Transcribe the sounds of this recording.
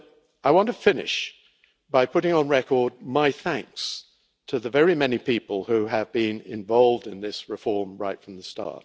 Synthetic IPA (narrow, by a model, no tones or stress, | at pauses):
aɪwɑ̃ntʰəfɪnɪ̰ʃ | b̥aɪpʰʊɾɪ̃ŋə̃nɹɛkə˞d̚maɪθæ̃ŋks | tʰɨðɨvɛɹimɛnipipəlˠhʉɨvbĩnɪ̰̃ɱvɑlˠvdɨ̃nðɪsɹɨfɔɹmɹaɪtfɹʌ̃mðəstʰɑ̰t